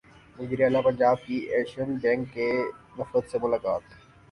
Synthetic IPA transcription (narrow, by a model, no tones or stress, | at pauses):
ʋɐziːɾeaːlapɐ̃ɲd͡ʒaːb̚kiʔɛːkʃənbɛ̃ːŋkːenɐfɾəd̪semʊlaːkaːt̪